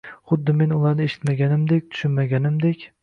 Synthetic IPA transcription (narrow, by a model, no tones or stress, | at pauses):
χʊd̪ːɪmenʊlˠaɾnɪeʃɪ̥t̪maɡʲanɪmd̪ek̚ʲt̪ʰʊ̥ʃɪnmaɡʲanɪmd̪ekʲ